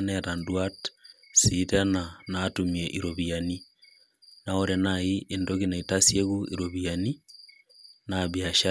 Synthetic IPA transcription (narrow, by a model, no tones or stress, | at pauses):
nɛɾandwatsitenanatumieʔiɾoβiani | naoɾenaiʔendoɣinaitasjeɣuʔiɾoβiani | naβjaʃa